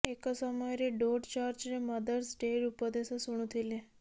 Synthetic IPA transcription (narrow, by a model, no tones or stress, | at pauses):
eksəmɔjɾeɖoɖt͡ʃaɾd͡ʒɾeməd̪əɾsɖeɾupəd̪esəsuɳ̃ũt̪ʰilẽ